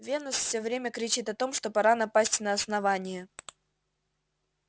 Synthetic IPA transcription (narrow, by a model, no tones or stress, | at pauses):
vʲe̞nəsfʲsʲɵvɾʲemʲəkɾʲɪt͡ɕit̪ɐt̪o̞mʂt̪o̞pɐɾanɐpasʲtʲnəɐsnɐvanʲɪjə